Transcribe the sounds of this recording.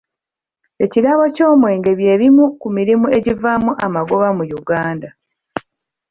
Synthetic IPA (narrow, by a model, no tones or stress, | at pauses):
e̞ciɾaβoco̞ːmwe̞ːŋɡe̞βje̞ːɾimukumiɾimue̞ɟivamuʔamaɡoβamujuɡaːnda